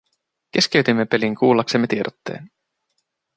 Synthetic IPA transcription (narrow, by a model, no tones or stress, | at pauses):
k̟e̞sk̟e̞ɥt̪imːe̞pe̞liŋkʰuːlːɑksemːe̞t̪ie̞dot̪ːe̞̰ːn